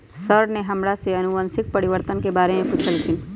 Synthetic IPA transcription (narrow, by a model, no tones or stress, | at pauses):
səɾɖneɦɐmɾaseɐnʊə̃nsɪk̚pɐɾiʋəɾt̪ənkebaːɾemẽpʊt͡ʃʰəlt̪ʰɪn